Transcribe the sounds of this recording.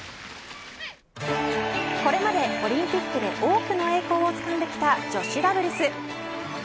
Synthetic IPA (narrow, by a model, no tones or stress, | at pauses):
ko̞ɾe̞mad̪e̞o̞ɾʲĩmpʲikːɯ̟d̪e̞ʔo̞ːkɯ̟no̞e̞ːko̞ːot͡sɨ̥kãnd̪e̞kʲi̥t̪ad͡ʑo̞ɕiɾabɯ̟ɾʲɯsɨ